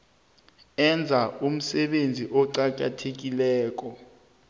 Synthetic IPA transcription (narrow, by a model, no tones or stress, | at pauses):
ɛnd͡zʱaum̩sɛɓend͡zʱiʔɔǀak̬ʼa̰tʰek̬ilɛːk̬ʼɔ